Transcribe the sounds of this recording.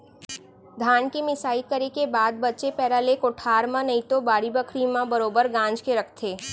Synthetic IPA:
d̪ʱaːnkemɪsaːikəɾekebaːd̪̚bɐtːt͡ʃepɛːɾaːlekoʈʰaːɾmãnɐĩt̪obaːɾibəkʰɾimãbəɾoːbəɾɡãːnd͡ʒkeɾɐkʰt̪ʰeː

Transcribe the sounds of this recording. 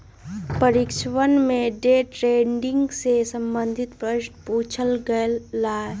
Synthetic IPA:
pəɾɪkʃʰwənmẽɖeːʈɾeːɳɖɪ̃ŋɡsesə̃mbə̃nd̪ʱɪt̪pɾəɪʃʈpuːt͡ʃʰəlɡəlaːe

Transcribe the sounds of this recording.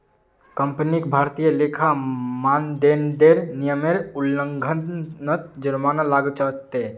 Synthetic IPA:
kə̃mpnikbʱaːɾt̪ijəleːkʰamaːnd̪eːnd̪eɾnijəmeɾʊlːə̃ŋɡʱənət̪̚d͡ʒəɾmaːnalaːɡət͡ʃət͡ʃt̪e

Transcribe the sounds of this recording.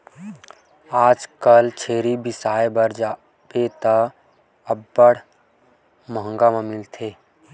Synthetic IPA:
aːd͡ʒkəlt͡ʃʰeːɾibisaːebəɾd͡ʒa | bet̪ə | əbːəɽ̤ | məɦə̃ŋɡamẽmɪlt̪ʰeː

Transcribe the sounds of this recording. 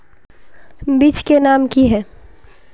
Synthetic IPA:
biːt͡ʃkenaːmkiɦɛː

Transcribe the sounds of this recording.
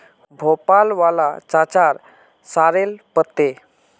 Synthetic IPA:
bʱopalʋalat͡ɕat͡ɕaɾ | saɾelpət̪ːe

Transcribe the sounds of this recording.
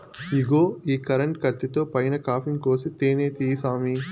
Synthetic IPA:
iɡoːiːkɐɾɐɳʈkɐt̪ːit̪oːpɐjnɐkaːpʰiŋkoːsit̪eːneːt̪iːsaːmi

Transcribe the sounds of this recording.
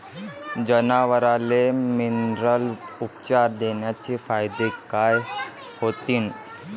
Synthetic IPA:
d͡ʑənaʋəɾaleminɾəlupt͡ɕaɾd̪enjat͡ɕefajd̪ekaj | hot̪iːn

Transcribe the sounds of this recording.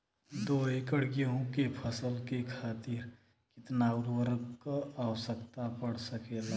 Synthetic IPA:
d̪oɦikəɽɡəɦũkepʰəsəlkekʰaːt̪iɾ | kɪt̪nauɾʋəɾəkkawəsəkt̪apəɽ̤səkela

